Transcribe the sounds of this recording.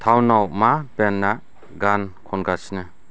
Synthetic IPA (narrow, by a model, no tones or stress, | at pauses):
t̪ʰawnawmabenːa | ɡankʰɔnɡasnɯ